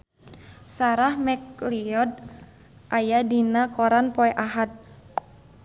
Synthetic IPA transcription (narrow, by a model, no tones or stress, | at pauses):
saɾahmɛkliɔd̚ | ʔajadinakɔɾanpɔɛʔaɦat̪̚